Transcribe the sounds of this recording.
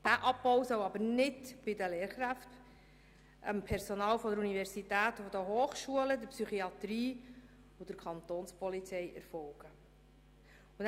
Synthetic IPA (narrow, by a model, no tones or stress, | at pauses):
d̥æʔɑbbɔwsœwɑbəɾnɪdb̥ɪdəleːɾχɾæft | əmpʰɛɾsɔnɑːlfɔd̪əɾunivɛɾsitæːtfɔd̪əɦoːχʃuələd̪əɾpsyχiɑt̪ɾiː | ʊd̥əɾkʰχɑnt̪oːnspɔlit͡sɛjɛ̰ɾfɔwɡ̥ə | ʊn